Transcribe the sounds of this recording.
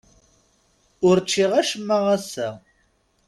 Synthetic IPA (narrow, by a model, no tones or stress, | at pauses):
ʊɾt͡ʃːiʁæʃəmːəʁæsæ